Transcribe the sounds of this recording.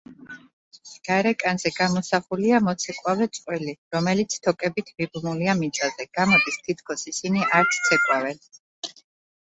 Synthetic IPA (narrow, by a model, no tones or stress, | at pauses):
ɡ̥aɾɛkʼanzɛɡ̥amɔsaχuliamɔt̪sʰɛkʼwavɛt̪sʼqʼwɛliɾɔmɛlit̪sʰt̪ʰɔkʼɛbit̪ʰmibmuliamit̪sʼazɛɡ̥amɔd̪ist̪ʰit̪̚ʰkʰɔsisiniʔaɾt̪sʰt̪sʰɛkʼwavɛn